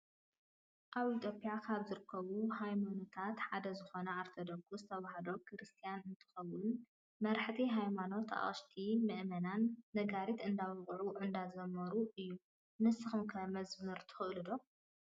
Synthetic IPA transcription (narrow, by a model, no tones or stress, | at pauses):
ʔaβit̪ʰjo̞pʼjakʰaβzɨɾɨkʰːɐβuhajmonot̪ʰat̪ħad̪ɐzɨxo̞nɐaɾt̪ʰod̪okʰuzɨt̪ʰɐβahd̪o̞kʰɾɨst̪ʰijanɨnt̪ʰɨ̥xɐwun | mɐɾħt̪ʰiɦajmano̞t̪ʰa̰χɨʃt̪ʰimɨʔmɐnanːɐɡaɾit̪ɨnd̪aβɨɣʼʕuʔɨnd̪azɐmɐɾuʔɨjːu | nɨsɨxɨmkʰɐmɐzmɨɾt̪ʰɨ̥xɨʔlɨd̪o̞